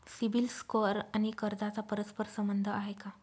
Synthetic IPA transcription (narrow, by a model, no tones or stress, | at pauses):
sibilskəɾañikəɾd̪at͡sapəɾəspəɾsəmbənd̪ʱəaɦeka